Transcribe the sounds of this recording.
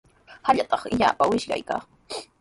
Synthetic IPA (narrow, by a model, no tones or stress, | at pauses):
haʎat̪ɑχɪʎa̰ːpawɪʃɢɑ̰jka̰ː